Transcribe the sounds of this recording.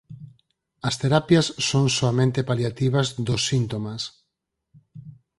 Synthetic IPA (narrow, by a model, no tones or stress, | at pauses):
ɐst̪eɾapjasːoŋsoamẽnt̪epaljat̪iβɐzd̪osːint̪omas